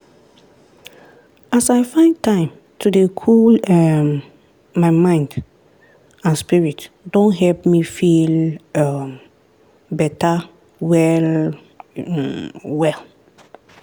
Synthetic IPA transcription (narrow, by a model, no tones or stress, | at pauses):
asaɪfãɪ̃ntʰãɪ̃m | tʰudekʰulɛmː | aɪmãɪ̃nd | ãnspiɹit | dõnɦɛlpmifilam | bɛta | wɛl | wɛl